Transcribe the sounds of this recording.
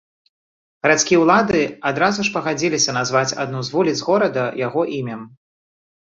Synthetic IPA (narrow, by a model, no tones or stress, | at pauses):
ɣɐɾat̪skʲijɛwlˠad̪ɨad̪ɾazuʂpɐɣad͡zʲilʲisʲɐnazvat͡sʲa̰d̪̚nuzvulʲid̪zɣɔɾɐd̪ɐjaɣɔʔimʲɛm